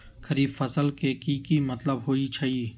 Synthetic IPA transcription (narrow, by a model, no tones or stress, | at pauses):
kʰəɾiːfəsəlkekiːkimɐt̪ləbɦoːit͡ʃʰɐi